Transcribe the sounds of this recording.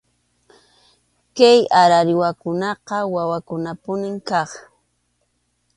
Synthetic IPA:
kajaɾaɾɪwakʊnɑqɑwawakʊnapʊnɪŋkɑχ

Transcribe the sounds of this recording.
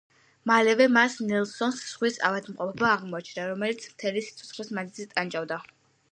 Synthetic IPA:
malɛvɛmasnɛlˠsɔnsːχwisa̰vad̪mqʼɔpʰɛbaːʁmɔat͡ʃʰnaɾɔmɛlit̪sʰmt̪ʰɛlisi̥t̪sʰɔt̪sʰχlismazizit̪ʼant͡ʃʼavd̪a

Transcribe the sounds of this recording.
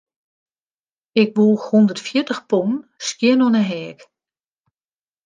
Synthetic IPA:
ɪk̚ʋulˠundərtfjɪtəxponnskjɪnɔnəɦɛːk

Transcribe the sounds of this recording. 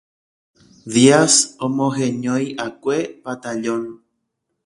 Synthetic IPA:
ðiasõmõɦẽɲõjʔakʷepat̪aʎõn

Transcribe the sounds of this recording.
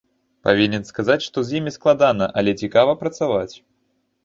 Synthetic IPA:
pavʲinʲɛnskazat͡sʲʂt̪ɔzʲjimʲisklˠad̪anɐʔɐlʲɛt͡sʲikavɐpɾɐt̪savat͡sʲ

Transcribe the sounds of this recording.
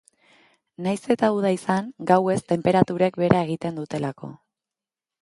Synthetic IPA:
najse̞t̪auð̞aisaŋɡawe̞st̪e̞mpe̞ɾat̪uɾek̚be̞ɾʔae̞ɣ̞it̪e̞nd̪ut̪e̞lako̞̰

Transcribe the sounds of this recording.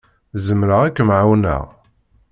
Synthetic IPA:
zəmɾəʁækːəmʕawnə̰ʁ

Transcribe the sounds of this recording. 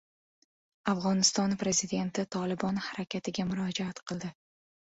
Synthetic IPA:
afʁɒnɪst̪ɒnpɾe̞zid̪e̞nt̪ɪt̪ʰɒlˠɪbɒnhaɾakʲat̪ʰɪɡʲamʊɾɒd͡ʒaat̪qʰɨlˠd̪ɪ

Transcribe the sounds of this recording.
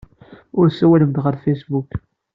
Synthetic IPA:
ʊɾsæwæləmt̪ʁəɾfejsbuk

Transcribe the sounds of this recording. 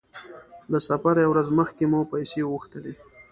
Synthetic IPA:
lasafaɾjawɾazməxkemupajseɣuxt̪əle

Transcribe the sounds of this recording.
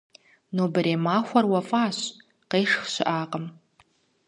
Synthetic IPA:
nobɨɾemaːxʷɐrwafʼaːɕ | qejʂxʃɪ̰ʔaːqʼəm

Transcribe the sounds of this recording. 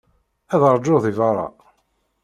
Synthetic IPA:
æðəɾˤd͡ʒːoðivɑɾˤɑ̰

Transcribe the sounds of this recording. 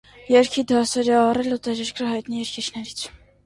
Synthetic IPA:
jɛɾkʰid̪ɑsɛɾɛɑrɛlut̪ɛɾɛɾkʰɾəɦɑjt̪nijɛɾkʰit͡ʃʰnɛɾit͡sʰ

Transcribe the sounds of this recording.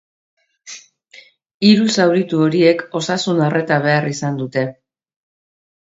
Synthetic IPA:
iɾusawɾit̪uo̞ɾie̞ko̞sasunare̞t̪aβ̞e̞arisand̪ut̪e̞

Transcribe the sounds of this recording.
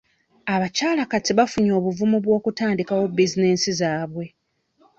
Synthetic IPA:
aβacaːlakatiβafuɲo̞ːβuvumuβwo̞ːkutaːndikawobizineːnsizaːβwe̞

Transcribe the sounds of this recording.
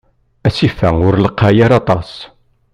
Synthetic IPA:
æsifæʊɾləqːajaɾɑt̪ˤɑs

